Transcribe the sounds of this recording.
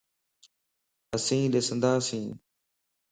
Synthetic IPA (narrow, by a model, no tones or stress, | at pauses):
əsĩːɗɪsənd̪aːsĩː